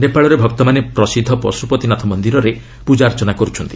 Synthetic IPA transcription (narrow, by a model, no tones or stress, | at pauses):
nepaɭɔɾebʱɔk̚t̪ɔmanepɾɔsid̪ʱːɔpɔsɾupɔt̪inat̪ʰɔmɔnd̪iɾɔɾe | pud͡ʒaɾt͡ʃɔnakɔɾut͡ʃʰɔnt̪i